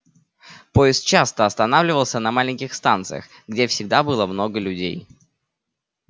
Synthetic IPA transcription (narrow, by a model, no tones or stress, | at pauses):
po̞ɪst̪̚t͡ɕast̪əɐst̪ɐnavlʲɪvəlˠsʲənɐmalʲɪnʲkʲɪxst̪ant̪sɨ̰jə̰x | ɡdʲe̞fsʲɪɡ̚d̪abɨlˠəmno̞ɡəlʲʉdʲḛj